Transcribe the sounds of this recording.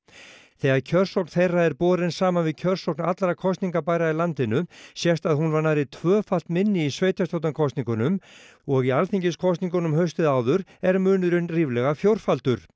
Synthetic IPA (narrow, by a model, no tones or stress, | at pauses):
θɛːɣaðcʰœr̥sowkn̥θejraɛɾpɔːɾɪnsaːmanvɪðcʰœr̥sowknat̪lɾakʰɔst̪niŋkapajɾailant̪ɪnʏsjɛst̪aðɦunvaɾnajɾɪt̪ʰvœːfal̥t̪mɪnːɪisveːjt̪jast̪awt̪ankʰɔst̪niŋkʏnʏm | ɔɣialθiɲcɪskʰɔst̪niŋkʏnʏmɦœɥst̪ɪðaːwðʏɾɛɾmʏːnʏɾɪnriːvlɛɣafjowr̥falt̪ʏɾ̥